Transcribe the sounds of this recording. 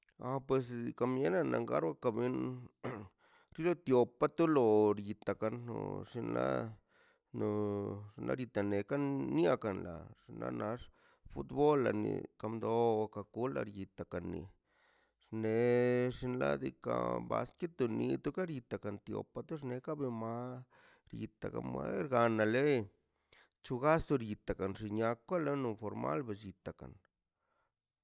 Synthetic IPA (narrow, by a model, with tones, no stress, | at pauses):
a˧pwe˧s̬ka˧mje˦na˨na˨ŋɡa˦ɾwa˦ka˧bi˧n | ɾi˦lo˦t̪jo˨pa˦t̪u˦lo˨ɾji˨t̪a˨ka˧nːo̰˨ʂi˧nla˦ | no˧ʂi˧nla̰˧ɾji˧t̪a˨ne˨ka˦nːja˧ka˨nla˨ʂi˧nla̰˧˦nʔa˧ʂ | fu˦t̪bo˦lːa˨nḭ˨ka˧md̪o˧wa˧ka˧˨ku˦la̰˧ɾji˨t̪a˨ka˨nːḭ˨ | ʂne˨ʂi˧nla˦d̪i˧ka̰˧ba̰˧ski˦t̪u˧ni˧t̪u˦ka˦ɾji˧t̪a˨ka˨nt̪jo̰˨pa˧t̪u˦ʂne˧ka˦be˧ma˧˦ | ɾji˧t̪a˨ka̰˨me˦ɾɡa˨˧na˨le˦ | t͡ʃu˧ɡa˦st̪u˧ɾji˧t̪a˨ka˨nʐi˧˨ɲa˧kʷːa˦la˦nu˧fo˨ɾma̰˦lbe˨ʃi˨t̪a˨ka̰˨n